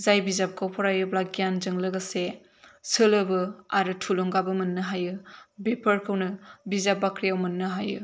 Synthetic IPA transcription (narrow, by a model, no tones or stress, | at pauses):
zajbizap̚kʰawpʰɔɾajɯblak̚ijanzɯŋlɯɡɐse | sɯlɯbɯaɾɯtʰuloŋɡabɯmɐnːɯɦajɯbepʰəɾkʰɯwnɯbizap̚bakʰɾijawmɐnːɯɦajɯ̰